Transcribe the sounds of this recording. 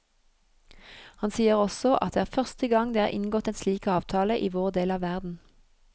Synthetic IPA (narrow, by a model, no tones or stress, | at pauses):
hɑnsiːəʁɔsɔʔɑt̪̚eːæːʁfœʁst̪əɡɑŋd̪eːæ̰ːʔɪ̰nɡɔt̪eːnsliːkɑːʋt̪ʰɑːləʔiːʋoːʁd̪eːlɑːʋæʁd̪n̩